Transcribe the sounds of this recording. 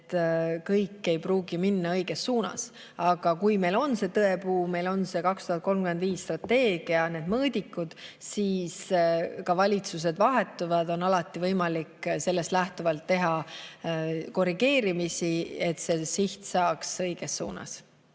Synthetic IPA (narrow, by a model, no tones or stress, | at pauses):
t̪ːkɤjkːˑe̞jpruːɡ̥iminːɑɤjɡ̥esːuːnɑ̰s | ɑɡ̥ɑkujme̞jlo̞nse̞t̪ɤe̞puːme̞jlo̞nse̞kɑkst̪uhɑt̪̚ko̞lmkyme̞nd̪viːsːt̪rɑt̪ːe̞ːɡ̥iɑne̞ːd̪̥mɤːd̪ʲikːˑud̪̥siːskɑvɑlʲit̪sus̬e̞d̪vɑɦe̞t̪ːˑuvɑd̪o̞nɑlɑt̪ːˑivɤjmɑlikse̞lːe̞st̪læht̪uvɑlt̪ːe̞ɦɑ | ko̞riɡ̥e̞ːɾimisie̞t̪se̞siht̪sɑːksɤjɡ̥e̞sːṵːnɑ̰s